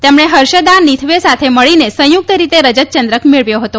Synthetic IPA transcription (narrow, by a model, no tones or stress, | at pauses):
t̪emɳ̃eɦəɾʃəd̪anit̪ʰʋesat̪ʰeməɭinesə̃juk̚t̪əɾit̪eɾəd͡ʒət̪̚t͡ʃənd̪ɾəkmeɭʋjoɦət̪o